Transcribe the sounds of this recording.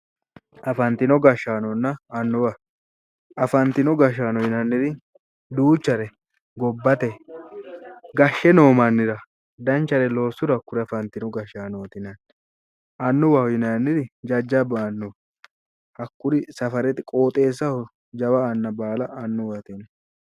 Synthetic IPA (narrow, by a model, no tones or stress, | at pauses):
ɐfɐnt̪ɪnɔɡɐʃːaːnɔnːɐɐnːʊwɐ | ɐfɐnt̪ɪnɔɡɐʃːaːnɔjɪnɐnːɪɾɪ | d̪uːt͡ʃːɐɾɛ | ɡɔbːɐt̪ɛ | ɡɐʃːɛno̞ːmɐnːɪɾɐ | d̪ɐnt͡ʃːɐɾɛlo̞ːsːʊɾɐkːʊɾɪɐfɐnt̪ɪnɔɡɐʃaːnoːt̪ɪnɐn | ʔɐnːʊwɐhɔjɪnɐnːɪɾɪd͡ʒɐd͡ʒːɐbaːnːɔ | ɐkːʊɾɪsɐfɐɾɛt̪ɪkʼo̞ːt̪ʼe̞ːs̬ːɐhɔ | d͡ʒɐwɐːnːɐbaːlɐʔːnːʊwɐt̪ɪn